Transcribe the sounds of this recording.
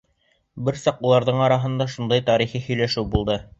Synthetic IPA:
bɘɾsɑqulˠɑɾðɤɴɑɾɑɦɤ̆nd̪ɑʃund̪ɑjt̪ɑɾiχihɵ̆jlæʃɘwbulˠd̪ɤ

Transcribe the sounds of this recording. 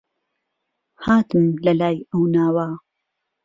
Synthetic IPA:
haːt̪ɨmlɐlaːjɐwnaːwaː

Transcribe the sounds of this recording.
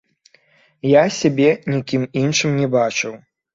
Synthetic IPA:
jasʲabʲɛnʲikʲiminʂɨmnʲɛbat͡ʂɨw

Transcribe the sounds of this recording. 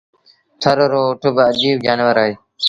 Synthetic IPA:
t̪ʰəɾoɾoːʈʰʊbəd͡ʒiːbd͡ʒaːnʋəɾaːɦeː

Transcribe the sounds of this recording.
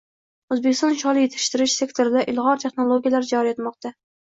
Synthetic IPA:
ɵzbekʲɪ̥st̪ɒnʃɒlˠɪjet̪ʰɪ̥ʃt̪ɪɾɪʃse̞kt̪ʰoɾɪd̪aʔɪlˠʁɒɾt̪ʰeχnolˠoɡʲijalaɾd͡ʒɒɾijet̪mɒq̚t̪a

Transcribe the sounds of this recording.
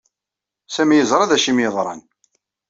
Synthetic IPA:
sæmjəzɾˤɑðæʃimjəðˤɾˤɑ̰n

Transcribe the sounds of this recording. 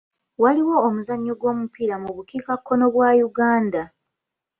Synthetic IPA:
waliwo̞ːmuzaɲːoɡwo̞ːmupiɾamuβukikakːo̞no̞βwaːjuɡaːnda

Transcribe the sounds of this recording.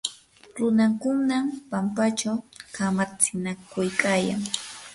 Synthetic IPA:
ɾʊnaŋkʊŋnampampat͡ʃawkamat͡sɪnakʊjkaːja̰ŋ

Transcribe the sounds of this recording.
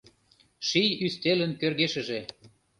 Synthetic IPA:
ʃijyst̪elənkørɣeʃə̆ʒe

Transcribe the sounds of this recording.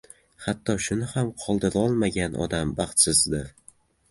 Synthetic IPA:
hat̪ʰːɒʃʊnɪhamqʰɒlˠd̪ɪɾɒlˠmaɡʲanʔɒ̰d̪ambɑχt̪sɪzd̪ɪɾ

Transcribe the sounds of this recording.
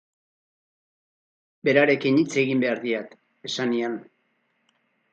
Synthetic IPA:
be̞ɾaɾe̞kinit͡se̞ɣimbe̞aɾðiat̪ | e̞sanian

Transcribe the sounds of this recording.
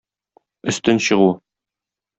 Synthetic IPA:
ɵ̆st̪ɘnɕɤ̆ʁu

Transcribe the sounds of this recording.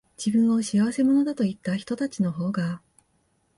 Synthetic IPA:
d͡ʑibɯ̟̃ɰ̃o̞ɕiaβase̞mo̞no̞d̪at̪oit̪ːaçi̥t̪o̞t̪at͡ɕino̞ɦo̞ːɡa

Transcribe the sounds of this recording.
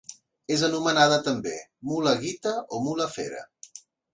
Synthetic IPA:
ezənumənað̞ət̪əmbemuləɣit̪əomuləfḛɾə̰

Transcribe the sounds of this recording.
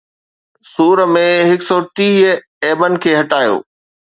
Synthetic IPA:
suːɾəmẽɦɪksɔːʈiː | eːbənɪ̆kʰeːɦɐʈaːjo̰ː

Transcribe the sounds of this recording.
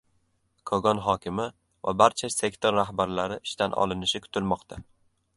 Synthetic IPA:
kʰɒɡɒnɦɒkʲʰɪmɪ | va̰baɾt͡ʃʰase̞kʲt̪ʰoɾːaɦbaɾlaɾɪʔɪʃt̪anʔɒ̰lˠɪnɪʃɪkʰʊ̥t̪ʰɪlmɒqt̪ʰa

